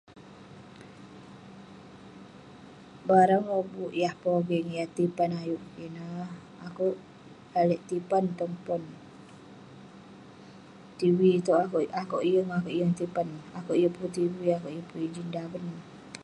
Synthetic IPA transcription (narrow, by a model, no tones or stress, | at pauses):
baɾaŋɾobuʔjahpɔɡɛŋjaht̪ipanajuʔinah | akuʔ | alɛʔt̪ipant̪əŋpɔn | t̪iwit̪ɔʔakoʔijəŋakoʔijəŋt̪ipanakuʔijuʔput̪iwiakoʔjupuid͡ʒindabən